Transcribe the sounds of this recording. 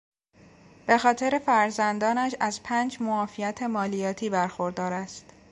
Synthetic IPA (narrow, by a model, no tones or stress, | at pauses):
b̥e̞xɒːt̪ʰe̞ɾe̞fæɾzænd̪ɒːnæʃæzpʰæːnd͡ʒmoɒːfijæt̪ʰe̞mɒːlijɒːt̪ʰiːbæɾxo̞ɾd̪ɒːɾæst̪